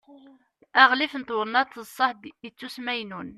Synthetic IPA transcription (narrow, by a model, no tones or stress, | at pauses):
æʁlifnt̪ʊɾnɑt̪ːəsˤːɑħd̪ət͡sːusmæjnun